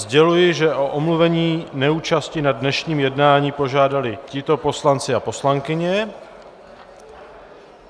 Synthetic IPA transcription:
zɟɛlujɪʒɛʔo̞ʔomluvɛɲiːnɛuːt͡ʃascɪnadnɛʃɲiːmjɛdnaːɲiːpo̞ʒaːdalɪcɪt̪o̞po̞slant͡sɪapo̞slaŋkɪɲɛ

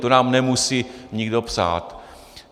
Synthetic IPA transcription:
t̪onaːmnɛmusiːɲiɡdo̞psa̰ːt̪

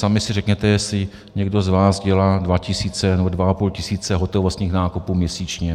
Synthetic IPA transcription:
samɪsɪrɛkɲɛt̪ɛjɛsɪ | ɲɛɡdo̞zvaːzɟɛlaːdvacɪsiːt͡sɛnɛbodvaapuːlcɪsiːt͡sɛɦot̪ovost̪ɲiːxnaːkupuːmɲɛsiːt͡ʃɲɛ

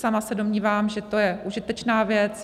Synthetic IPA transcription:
samasɛdo̞mɲiːvaːmʒɛt̪o̞jɛʔuʒɪt̪ɛt͡ʃnaːvjɛt͡s

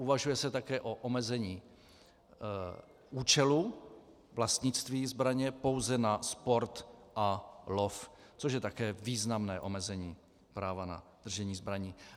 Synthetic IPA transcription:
ʔuvaʒujɛsɛt̪akɛːʔo̞ʔomɛzɛɲiː | ʔuːt͡ʃɛlu | vlast̪ɲɪt͡st̪viːzbɾaɲɛpo̞wzɛnaspo̞ɾt̪ʔaloft͡soʃjɛt̪akɛːviːznamnɛːʔo̞mɛzɛɲiː | pɾaːvana̰d̪̥r̩ʒɛɲiːzbɾaɲiː

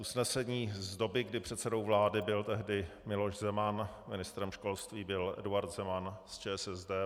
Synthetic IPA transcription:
ʔusnɛsɛɲiːzdo̞bɪɡdɪpr̝̥ɛt̪sɛdo̞wvlaːdɪbɪlt̪ɛɦdɪmɪlo̞ʃzɛmanmɪnɪst̪ɾɛmʃko̞lst̪viːbɪlʔɛ̰duaɾt̪zɛmanst͡ʃɛːsɛzdɛː

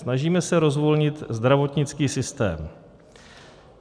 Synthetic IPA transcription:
snaʒiːmɛsɛɾo̞zvolɲɪt̪zd̪ɾavo̞t̪ɲɪt͡skiːsɪst̪ɛ̰ːm

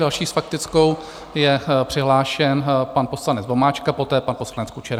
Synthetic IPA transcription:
dalʃiːsfak̚t̪ɪt͡sko̞w | jɛpr̥ɪɦlaːʃɛnpanpo̞slanɛd͡zbo̞maːt͡ʃkapo̞t̪ɛːpanposlanɛt͡skut͡ʃɛɾ

